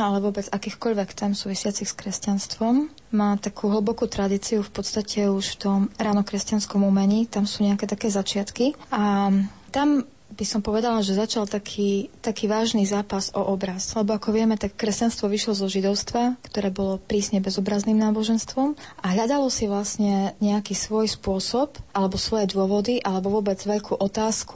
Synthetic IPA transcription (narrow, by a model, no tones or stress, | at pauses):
alɛʋʊɔbɛd͡zakiːxkɔʎʋɛkt̪ɛmsuːʋisɪat͡sixskɾɛscanst̪ʋɔmː | aːt̪akʰuɦl̩ˠbɔkut̪ɾad̪it͡siufpɔt̪st̪acɛuʃft̪ɔmɾaːnɔkɾɛscanskɔmuːmɛɲiːt̪amsuːɲɛakɛt̪akɛːzat͡ʃɪat̪kiʔat̪am | b̥isɔmpɔʋɛd̪alaʒɛzat͡ʃalt̪akʰiːt̪akiːʋaːʒnizaːpazɔʔɔbɾaslɛbɔakɔʋɪɛmɛt̪akːɾɛscanst̪ʋɔʋiʃlɔzɔʒid̪ɔʊst̪ʋakt̪ɔɾɛːbɔlɔpɾiːsɲɛbɛzɔbɾazniːmnaːbɔʒɛnst̪ʋɔmʔaɦʎad̪alɔsiʋlasɲɛɲɛakiːsʋɔjspʊɔsɔpʔalɛbɔsʋɔjɛd̪ʊɔʋɔd̪iʔalɛbɔʋɔbɛd͡zʋɛʎkʰuːʔɔt̪aːsku̥